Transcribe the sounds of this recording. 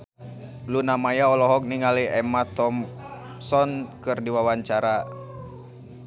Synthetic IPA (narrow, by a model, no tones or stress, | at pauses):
lunamajaɔlɔɦɔk̚niŋaliɛmat̪ɔm | sɔnkɨrdiwawaɲt͡ʃaɾa